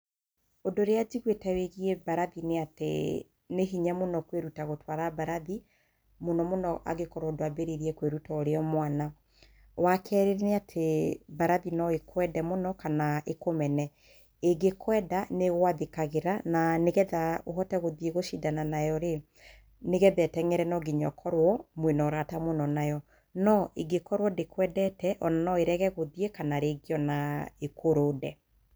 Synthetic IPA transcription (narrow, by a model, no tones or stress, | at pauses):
odoɾead͡ʒiɣwetɛweɣiɛbaɾaðineatḛ | neɦiɲamonɔkweɾutaɣotwaɾabaɾaði | monɔmonɔʔa̰ɣekɔɾɔodoabeɾeɾiɛkweɾutaoɾeɔmwana | wakʰɛɾeɾeneatʰebaɾaðinɔekʰwɛdɛmonɔkanaʔekomɛnɛ | eɡekʰwɛdaneɣoaðekaɣeɾananeɣɛðaoɦɔtɛɣoðieɣoʃidananajɔɾe | neɣɛðɛtɛŋɛɾɛnɔɡiɲɔkʰɔɾwɔmwenɔɾatamonɔnajɔ | nɔʔeɡekɔɾwɔdekʰwɛdɛtɛʔɔnanɔeɾɛɣɛɣoðiekanaɾeɡeɔnaekʰoɾoːdɛ